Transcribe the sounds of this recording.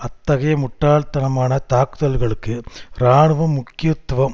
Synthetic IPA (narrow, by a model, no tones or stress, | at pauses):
ɐt̪ːɐɣɐjɐmʊʈːaːlt̪ɐnɐmaːnɐt̪aːkɯðɐlɣɐɭɯkːɯɾaːɳɯʋɐmːʊkːɪjɐt̪ːʋɐm